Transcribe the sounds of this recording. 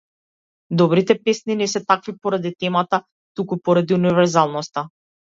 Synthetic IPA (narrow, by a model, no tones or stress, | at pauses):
d̪ɔbɾit̪ɛpɛsninɛsɛt̪akvipɔɾad̪it̪ɛmat̪a | t̪ukupɔɾad̪iunivɛɾzalˠnɔst̪a